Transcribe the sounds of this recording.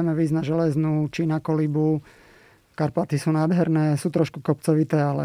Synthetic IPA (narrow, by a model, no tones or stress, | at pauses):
ɛmɛʋid͡znaʒɛlɛznut͡ʃinakɔlibu | kaɾpat̪isuːnaːd̪ɦɛɾnɛːsuːt̪ɾɔʃku̥kɔpt͡sɔʋit̪ɛːalɛ̰